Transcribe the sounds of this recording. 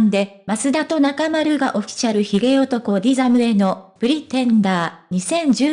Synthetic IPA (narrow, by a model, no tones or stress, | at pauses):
nd̪e̞masɨd̪at̪o̞nakamaɾɯ̟ɡaʔo̞kʲi̥t͡ɕaɾɯ̟çiɡe̞ot̪o̞ko̞d̪ʲizamɯ̟e̞no̞b̥ɯ̟ɾʲit̪ẽ̞nd̪aːɲ̟isẽ̞ɲd͡ʑɨː